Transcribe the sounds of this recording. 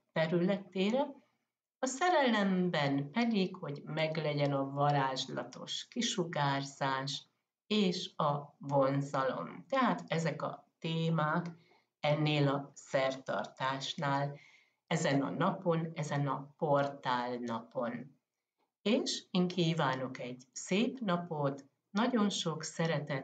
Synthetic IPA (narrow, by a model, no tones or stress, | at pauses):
t̪ɛɾylɛt̪eːɾɛ | ɒsɛɾɛlɛmbɛnpɛd̪ikho̞ɟmɛɡlɛɟɛnɒvɒɾaːʒlɒ̰t̪o̞̰ʃkiʃuɡaːrz̥aːʃ | eːʃɒvo̞nzɒlo̞̰mt̪ɛɦaːt̪ɛzɛkɒ̰t̪eːmaːk | ɛnːeːlɒsɛrt̪ɒ̰rt̪aːʃnaːl | ɛzɛnɒ̰nɒpo̞nɛzɛnɒpo̞rt̪aːlnɒpo̞n | eːʃiːŋkiːvaːno̞kɛɟseːpnɒpo̞t̪ | nɒɟo̞nʃo̞ksɛɾɛt̪ɛ